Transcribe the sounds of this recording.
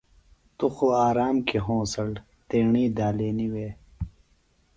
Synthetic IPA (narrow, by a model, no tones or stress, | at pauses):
t̪uxuaːɾaːmkiɦõːsɐl | t̪eːɳiːd̪aːleːniweː